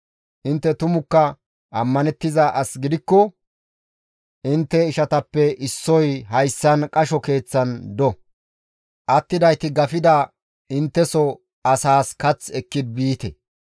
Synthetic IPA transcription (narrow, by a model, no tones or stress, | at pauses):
ʔɪnt̪ːɛt̪ʊmʊkːɐ | ʔɐmːɐnɛt̪ːɪzɐʔɐsɡɪd̪ɪkːɔ | ʔɪnt̪ːɛɪʃɐt̪ɐpːɛʔɪsːɔjɦɐjsːɐnkʼɐʃɔke̞ːt͡sːɐnd̪ɔ | ʔɐt̪ːɪd̪ɐjt̪ɪɡɐfɪd̪ɐ | ɪnt̪ːɛsɔ | ɐsaːskɐt͡sɛkːɪd̪̚biːt̪ɛ̰